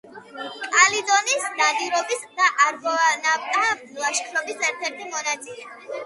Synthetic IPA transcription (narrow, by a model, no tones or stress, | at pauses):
kʼalid̪ɔnisd̪aniɾɔbisd̪aʔaɾɡɔnat̪ʼa | lˠaʃkʰɾɔbisɛɾt̪ʰɛɾt̪ʰimɔnat̪sʼilɛ